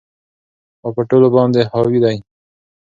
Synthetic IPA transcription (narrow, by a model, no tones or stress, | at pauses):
xowpəʈolobɑnd̪ehɑwid̪aj